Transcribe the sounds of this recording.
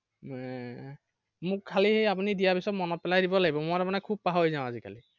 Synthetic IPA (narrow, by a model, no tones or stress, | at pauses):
mʊkkʰːalihejapunidijabisɔtmɔnɔt̚pɛlajdibɔlaɡibɔmʊatapunakʰub̚paɦojzãʊ̃azikʰa̰li